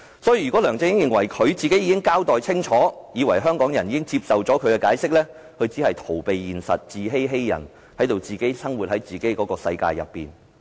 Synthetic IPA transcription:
sɔː˨˥jːɥy˨˩kɔː˨˥lœː˨˩ŋt͡sɪ˧ŋɪ˥ŋjɪ˨ŋwɐ˨˩jkʰɵ˨˧ɥt͡siː˨ke˨˥jiː˨˧kɪ˥ŋkaː˥wt̪ɔː˨jt͡sʰɪ˥ŋt͡ʃʰɔː˨˥jiː˨˧wɐ˨˩jɦœː˥ŋkɔː˨˥ŋjɐ˨˩njiː˧kɪ˥ŋt͡siː˧p̚sɐ˨wt͡sɔː˨˥kʰɵ˨˧ɥkɛ˧kaː˨˥jsɪ˥k̚lɛː˥ | kʰɵ˨˧ɥt͡si˨˥hɐ˨jt̪ʰo˨˩wpe˨jːiː˨nsɐ̰˨t̚t͡siː˨ɦe˥jɦe˥jːɐ̰˨˩n | hɐ˨˥jt̪o˨wt͡siː˨ke˨˥jsɐ˥ŋwuː˨t̚hɐ˨˥jt͡siː˨ke˨˥jkɔː˨˥kɔː˧sɐ̰˧jka̰ː˧jːɐ̰˨pːḭː˨n

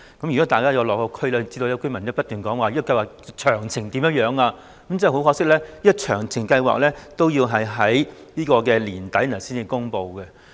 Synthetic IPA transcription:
kɐ˨˦my˨˩kɔ˨˥t̪aː˨jkaː˥jɐ˨˧wlɔː˨kːɔː˧kʰɵ˥ɥlɛː˥t͡siː˧d̪o˧jkɵ˥mɐ˨˩njpɐ˥t̚t̪yː˨˩nkɔː˨˥ŋwaː˨˧iː˥ɔ˨˧kɐ˧jwaː˨˩k̚t͡ʃʰœː˨˩ŋt͡sʰɪ˨˩ŋt̪iː˨˥mjɐ˥t̚jœː˨˥ŋaː˧ | kɐ˦˥mt͡sɐ˥˨˩hwkɔː˧ksɪ˥k̚lɛː˥iː˥t͡ʃʰœː˨˩ŋt͡sʰɪ˨˩ŋkɐ˧jwa̰ː˨k̚lɛː˥t̪o˥wjiː˧wɦɐ˨jɦɐ˨˥jniː˥kɔː˧kɛː˧liː˨˩nt̪ɐ˨˥jɐ˨˩siː˥niː˨˧kʊ˥ŋpo˨˧wkɛ˧

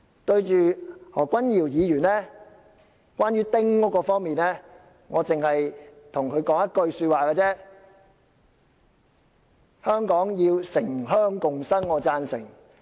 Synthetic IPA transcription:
t̪ɵ˧ɥt͡ʃyː˨hɔ̰ː˨˩kʷɐ˥njiː˨˩wjiː˨˧jyː˨˩nlɛː˥ | kʷaː˥nɥyː˥t̪ɪ˥ŋkɔː˨˥kɔː˧fɔː˥ŋmiː˨nɛː˥ | ŋɔː˨˧t͡sɪ˨ŋhɐ˨jt̪ʰʊ˨˩ŋkʰɵ˨˧ɥkɔː˨˥ŋjɐ˥t̚kɵ˧ɥsyː˧t̚waː˨kɛː˧t͡sɛː˥ | hœː˥ŋkɔː˨˥ŋjiː˧wsɪ˨˩ŋɦœː˥ŋkʊ˨ŋsɐ˥ŋːɔː˨˧t͡saː˧nsɪ˨˩ŋ

